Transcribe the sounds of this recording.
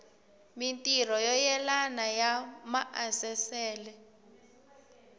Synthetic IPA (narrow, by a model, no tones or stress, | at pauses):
mintʼir̤ɔjɔjɛlanajamaʔasɛsɛːlɛ